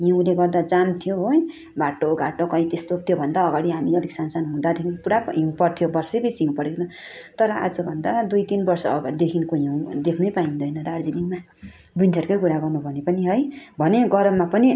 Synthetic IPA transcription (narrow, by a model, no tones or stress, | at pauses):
jʌw̃leɡʌrd̪ad͡zant̪ʰijoɦoj | baʈːoɡaʈokʌĩt̪est̪ot̪jobʱʌnd̪aʌɡaɽiɦamiʌd̪iksansanɦũd̪ad̪ekʰinpuɽaɦipʌrt̪ʰijobʌrsebisimpʌɾeknʌ̃ | t̪ʌɾʌa̰d͡zʌbʱʌnd̪ad̪ujt̪inbʌrsʌd̪ekʰinkojãw̃d̪ekʰnʌjpaĩnd̪ʌjnʌd̪aɾd͡zinima | bint̪ʰeɾkʌjkuɾaɡʌrnubʱʌnepʌniɦʌjbʱʌneɡʌɾʌmːapʌni